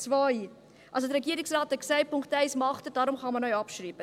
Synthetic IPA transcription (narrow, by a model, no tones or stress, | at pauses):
t͡svɔj | ʔɑls̬odəɾeɡiəɾɪŋsrɑːtɛksɛjpʰʊŋktɛɪsmɑχtədɑːɾumχɑnmɐnœɥɑpʃriːbə